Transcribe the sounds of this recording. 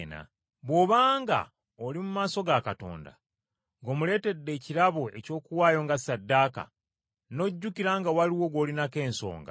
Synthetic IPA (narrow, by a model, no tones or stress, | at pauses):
na̰ | βwo̞βaːŋɡa̰ | olimumaːso̞ɡakato̞̰ːnda̰ | ŋɡo̞ːmule̞ːte̞dːe̞ːciɾaβoeco̞ːkuwaːjo̞ːŋɡasadːaka̰ | no̞ɟːukiɾaːŋɡawaliwo̞ɡo̞linake̞ːnso̞̰ːŋɡa̰